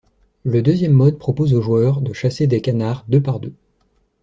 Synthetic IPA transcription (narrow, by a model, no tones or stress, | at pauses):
ləd̪øzjɛmːɔd̪̚pχɔpozoʒuœʁd̪əʃased̪ekanaʁd̪øpaʁd̪ø